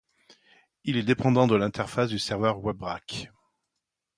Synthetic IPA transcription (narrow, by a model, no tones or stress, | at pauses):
ilɛd̪epɑ̃d̪ɑ̃d̪əlɛ̃t̪ɛʁfasd̪ysɛʁvœʁwɛbʁak